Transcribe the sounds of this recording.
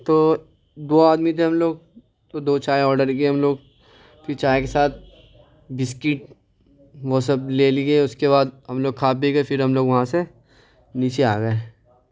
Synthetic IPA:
t̪oː | d̪oːaːd̪mit̪ʰeɦɐmloːɡ̚ | t̪od̪oːt͡ʃaːeɔːɾɖəɾkiɦɐmloːɡ | pʰɪɾt͡ʃaːekesaːt̪̚ʰ | bɪskɪʈ | ʋosɐbleːliɡeʊskebaːd̪ɦɐmloːɡ̚kʰaːp̚biɡɐefʰɪɾɦɐmloːɡʋɐɦãse | niːt͡ʃeaːɡəe

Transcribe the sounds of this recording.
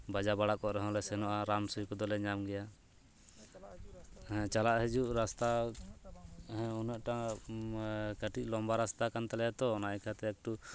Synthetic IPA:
bad͡ʒabaɽaʔkɔʔɾɛɦɔ̃lɛsɛnɔʔaɾamsujkɔd̪ɔlɛɲamɡɛja | t͡ʃalaʔhɛd͡ʒuʔɾast̪a | ɔnəʔʈa | kəʈiʔ̚lɔmbaɾast̪akant̪alɛjat̪ɔːnaɛkʰat̪ɛɛk̚ʈu

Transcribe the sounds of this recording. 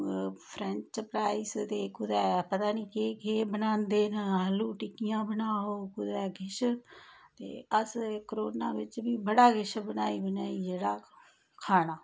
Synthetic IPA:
pʰɾɛ̃ɲt͡ʃpɾaːist̪eːkʊd̪ɛːpət̪aːnĩːkeːkeːbənãːnd̪eːnəəluːʈɪkɪjãːbənaːoːkʊd̪ɛːɡɪʃ | t̪ḛːəskəɾoːnaːʋɪt͡ʃbiːbəɽaːɡɪʃbənaːiːbənaːiːd͡ʒeːɽaː | kʰaːnaː

